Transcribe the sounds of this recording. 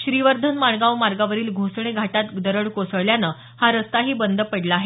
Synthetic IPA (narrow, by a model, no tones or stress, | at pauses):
ɕɾiʋəɾd̪ʱənmaɭɡaʋmaɾɡaʋəɾiːlɡʱosɳ̃eɡʱaʈat̪d̪əɾəɽkosəɭljanə | haɾəst̪aɦiːbənd̪ʱəpəɽlaaɦe